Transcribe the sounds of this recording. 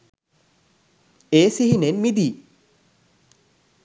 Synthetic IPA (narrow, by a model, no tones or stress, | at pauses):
eːsiɦinenmid̪iː